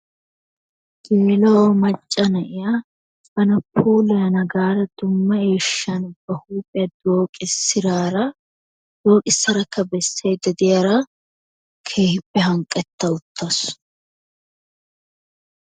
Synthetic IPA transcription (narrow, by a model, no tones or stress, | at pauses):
ɡ̥eːlɐwɔmɐt͡ʃʼːɐnɐʔɪja | ɐnɐpʰuːlɛjɐnɐɡaːɾɐd̪ʊmːɐeːʃːɐnb̥ɐhuːpʼɪjɐd̪o̞ːkʼɪsːɪɾaːɾɐ | d̪̥o̞ːkʼɪsːɐɾɐkːɐbɛsːejd̪ɐd̪ɪjɐɾɐ | kʰeːhɪpːɛɦɐŋkʼɛt̪ːɐʊt̪ʰːɐs